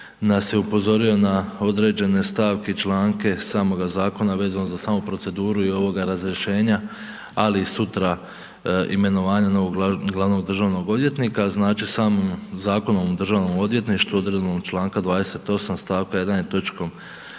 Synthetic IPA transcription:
nasje̞upo̞zo̞ɾio̞nao̞d̪ɾe̞ːd͡ʑe̞ne̞st̪aːʋke̞it͡ʃlˠaːŋke̞saːmo̞ɡazaːko̞naʋe̞ːzanozasaːmupɾo̞t̪se̞d̪uːɾuio̞ʋo̞ɡaɾazɾje̞ʃe̞ːɲa | aliːsut̪ɾa | ime̞no̞ʋaːɲano̞ʋoɡɡlˠaʋno̞ɡ̚d̪r̩ʒaːʋno̞ɡod̪ʋje̞t̪nikaznaːt͡ʃisaːmomzaːko̞noʋomd̪rʒaːʋno̞mo̞d̪ʋje̞t̪niʃt̪uo̞d̪ɾed̪noɡt͡ʃlˠaːŋkad̪ʋaːd̪e̞se̞t̪o̞samst̪aːʋkaje̞d̪anjet̪o̞t͡ʃkom

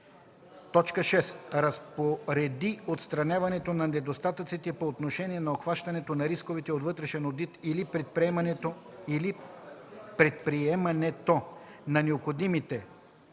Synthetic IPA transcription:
t̪ɔt͡ʃkəʃɛsɾɐspoɾɛd̪iot̪st̪ɾɐnʲavɐnɛt̪onɐnɛd̪ost̪at̪ət̪sit̪ɛpoːt̪noʃɛniɛnɐoxvaʃt̪ɐnɛt̪onɐɾiskovit̪ɛot̪vɤt̪ɾɛʃɛnod̪it̪ilipɾɛpɛmɐnɛt̪o | li | pɾɛt̪̚pɾiɛmɐnɛt̪onɐnɛopxod̪imit̪ɛ

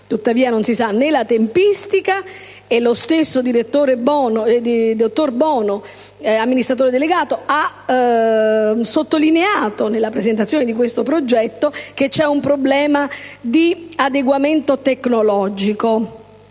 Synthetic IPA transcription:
t̪ut̪ːaviːanonsisanːelat̪empist̪ika | elːost̪esːod̪iɾet̪ːoːɾebɔnd̪id̪ot̪ːorbɔːno | amːinist̪ɾat̪oːɾed̪eleɡaːt̪oa | sot̪ːolineaːt̪onelːapɾezent̪at̪sːjoːned̪ikwest̪opɾod͡ʒɛt̪ːok̟et͡ʃːɛumpɾoblɛːmad̪iad̪eɡwament̪ot̪eknolɔd͡ʒiko

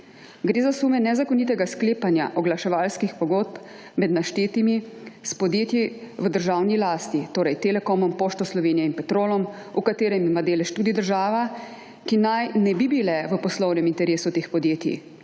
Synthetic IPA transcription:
ɡɾeːzasuːmɛnɛzakɔnit̪ɛɡaskleːpanja̰ʔɔɡlaʃɛʋaːlskixpɔɡoːt̪̚p | mɛd̪naʃt̪eːt̪imispɔd̪jeːt̪jiʋəd̪əɾʒaːwnilaːst̪it̪oːɾɛjt̪elɛkɔmɔmpoːʃt̪ɔslɔʋeːnijɛinpɛt̪ɾoːlɔm | ukat̪eːɾɛmimad̪eːlɛʃt̪uːd̪id̪əɾʒaːʋa | kinajnɛbibilɛʋəpɔslɔwnɛmint̪ɛɾeːsut̪eːxpɔd̪jeːt̪ḭ

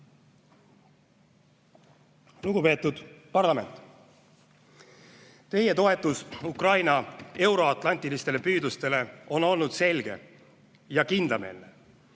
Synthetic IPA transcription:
luɡupe̞ːt̪ːˑud̪̥pɑrlɑme̞̰nt̪ˑ | t̪e̞je̞t̪o̞e̞t̪ːˑusukrɑjnɑe̞wɾo̞ɑt̪ˑlɑnʲt̪ˑilist̪e̞le̞pyːd̪ust̪e̞le̞o̞no̞lnud̪̥se̞lɡ̥e̞̰ | jɑkind̪lɑme̞̰lːe

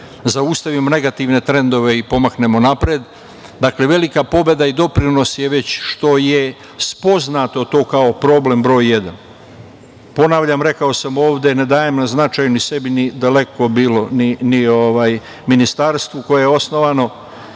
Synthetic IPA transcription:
zaust̪aʋimo̞ne̞ɡat̪iʋne̞t̪ɾe̞nd̪o̞ʋe̞ipo̞makne̞mo̞napɾed̪ | d̪akle̞ʋe̞likapo̞be̞d̪aid̪o̞pɾino̞sjeʋe̞t͡ɕʃt̪o̞je | spo̞znat̪o̞t̪o̞ːkao̞pɾo̞ble̞mbɾo̞ːje̞d̪a̰n | po̞naːʋʎamɾe̞kaosamo̞ːʋd̪ened̪aːjemnaznat͡ʃaːjunise̞binid̪ale̞ko̞biːlo̞ninio̞ʋaːj | minist̪aːɾst̪ʋuko̞jejeo̞sno̞ʋano̞

